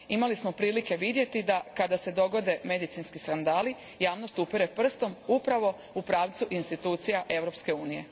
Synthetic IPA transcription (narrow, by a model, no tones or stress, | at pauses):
imalismo̞pɾiːlike̞ʋid̪je̞t̪id̪akad̪ase̞d̪o̞ɡo̞d̪e̞me̞d̪it̪inskiskand̪aːli | jaːʋno̞st̪upiɾepr̩st̪o̞mupɾaʋo̞ | upɾaːʋt̪suʔinst̪it̪uːt̪sijaʔe̞ʋɾo̞pske̞uːnije̞̰